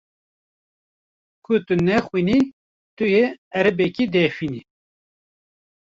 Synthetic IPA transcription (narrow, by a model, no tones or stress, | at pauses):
kʰʊt̪unɛxwini | t̪ujeɛɾɨbɛkid̪ɛfini